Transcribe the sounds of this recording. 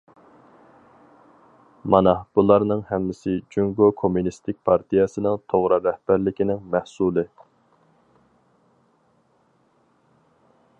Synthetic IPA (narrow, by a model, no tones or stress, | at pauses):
mɑnɑb̥ulˠɑɾnɨŋhɛmːɪsɪd͡ʒyŋɡokʰomːunist̪ɪk̚ʲpʰɑɾt̪ʰijɛsɨnɪŋt̪ʰoʁɾɨɾɛhbæɾlɪkʲinɪŋmæhsulˠɨ